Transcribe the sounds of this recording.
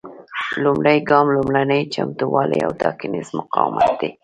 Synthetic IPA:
lʊmɽajɡɑmlʊmlanəjt͡ʃamt̪uwɑlea̰wt̪ɑkɪnɪzmʊqɑwmʔat̪̚d̪̥e

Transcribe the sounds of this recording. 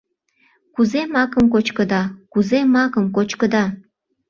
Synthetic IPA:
kuzemɑkəmkot͡ɕkəd̪ɑkuzemɑkəmkot͡ɕkəd̪ɑ

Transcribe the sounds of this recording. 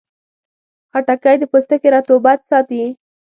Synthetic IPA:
xaʈakajd̪əpost̪əkeɾɑt̪obat̪sɑt̪i

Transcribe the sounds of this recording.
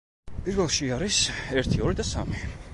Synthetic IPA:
pʰiɾvɛlˠʃiaɾisɛɾt̪ʰiɔɾid̪asa̰mi

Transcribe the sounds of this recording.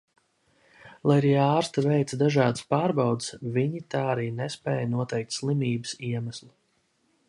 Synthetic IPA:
lˠajaɾiːaːɾst̪avɛjt̪sd̪aʒɑːd̪ɨ̥spaːɾbawd̪sviɲit̪aːaɾiːnɛspɛ̰ːjnuɔt̪ɛjk̚t̪ʲslˠimʲiːbɨsiɛmaslˠu

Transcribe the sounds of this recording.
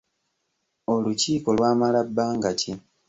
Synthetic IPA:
o̞luciːko̞lwaːmalabːaːŋɡaci

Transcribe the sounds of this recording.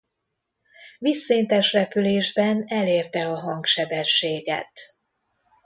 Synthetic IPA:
visːeːnt̪ɛʃrɛpyleːʒbɛnɛleːrt̪ɛɒɦɒŋkʃɛbɛʃːeːɡɛ̰t̪

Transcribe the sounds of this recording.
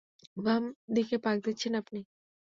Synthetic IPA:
bamd̪ikepak̚d̪it͡ɕʰenapni

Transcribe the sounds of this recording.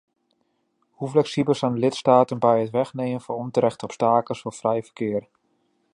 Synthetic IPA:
huflɛksibəlˠsandəlɪtstaːtənbɛjətʋɛχnejmənvɔɔmtəɾɛxtəɔpstaːkəsfɔfrɛjvərkɪər

